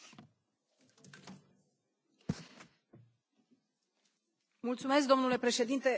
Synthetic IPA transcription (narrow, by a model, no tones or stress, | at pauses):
mult̪sume̞sk̚d̪o̞mnule̞pɾe̞ʃe̞d̪int̪e̞